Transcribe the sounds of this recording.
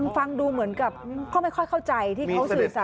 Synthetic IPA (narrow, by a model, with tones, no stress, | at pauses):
nfa˧ŋduː˧mɯ˩˦ənka˨˩p̚ːkɔː˥˩ma˥˩jkʰɔ˥˩jkʰa˥˩wt͡ɕa˧jt̪ʰiː˥˩ka˦˥wɯː˨˩sa˨˩